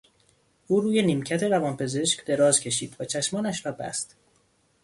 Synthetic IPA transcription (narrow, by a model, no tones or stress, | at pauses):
ʔuːɾuːje̞niːmcʰæt̪ʰe̞ɾævɒːnpʰe̞ze̞ʃcd̪e̞ɾɒːzcʰe̞ʃiːd̪væt͡ʃʰæʃmɒːnæʃvæbæ̰st̪